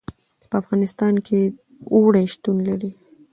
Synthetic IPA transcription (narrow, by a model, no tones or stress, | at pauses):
pəafɣɑnɪst̪ɑnkʰe | oɽajʃt̪unlaɾi